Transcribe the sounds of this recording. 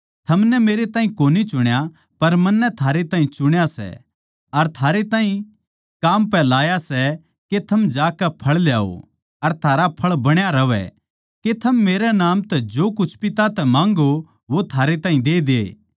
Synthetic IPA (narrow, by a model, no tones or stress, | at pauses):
t̪ʰɐmnɛmeːɾet̪aːɦĩkoːnit͡ʃʊɽ̃ja | pɐɾmɐnːɛt̪ʰaːɾet̪aːĩt͡ʃʊɽ̃jasɛ̰ | ɐɾt̪ʰaːɾet̪ãːɦĩ | kaːmpɛlaːjasɛ | ket̪ʰɐmd͡ʒaːkɛpʰɐɭljaːo̰ | ɐɾt̪ʰaːɾapʰɐɭbɐɽ̃jaɾɐʋɛ̰ | ket̪ʰɐmːeːɾɛnaːmt̪ɛd͡ʒoːkʊt͡ʃʰpɪt̪at̪ɛmãːŋɡo | ʋot̪ʰaːɾet̪aːĩd̪eːd̪eː